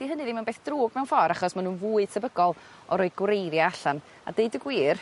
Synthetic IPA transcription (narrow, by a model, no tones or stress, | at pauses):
d̥iɦənɨðiːmanbeːθd̥ruːɡmɛwnfɔɾaχɔsmanuːnvuːɨð̥tʰəbəɡɔlˠ | ɔɾɔːɨɡwrejɾjaaɬan | a̰deɨdəɡwiːr